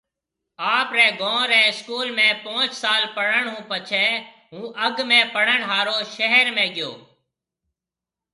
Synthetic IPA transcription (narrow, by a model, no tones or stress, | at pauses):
aːpɾɛ̃ːɡõːɾɛ̃ːɪskuːlmẽːpõːt͡ʃsaːlpəɽəɳɦũːpət͡ʃʰɛː | ɦũːʔəɡmẽːpəɽəɳɦaːɾoːʃəɦəɾmẽːɡɪjo̰ː